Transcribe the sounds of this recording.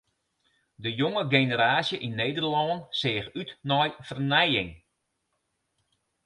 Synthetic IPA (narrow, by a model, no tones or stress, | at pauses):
dəjoŋəɡenəɾaːsjəʔinːeːdərlɔːnsɪːxytnɔjfərnɛjɪŋ